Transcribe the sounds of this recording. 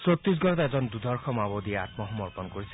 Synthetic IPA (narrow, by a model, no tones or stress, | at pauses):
sot̪ɾis̬ɡɔɾɔt̪ɛzɔnd̪ud̪ʱɔɹkʰɔmabod̪ieat̪mɔɦɔmɔɹpɔnkoɹisɛ̥